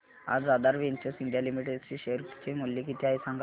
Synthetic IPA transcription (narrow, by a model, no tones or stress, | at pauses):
a̰d͡zad̪aɾʋeɲt͡ɕəsind̪jalimiʈed̪t͡ɕiɕeɾt͡ɕemuljikit̪ʰiajsãŋɡ